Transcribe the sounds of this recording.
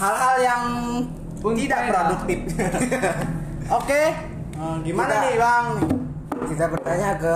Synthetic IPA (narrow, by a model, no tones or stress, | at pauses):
ɦalɦaljaŋ | pʊŋɡidakɾaduk̚t̪ɪp̚ | oke | əɡimanaibaŋ | kit̪apərt̪aɲakə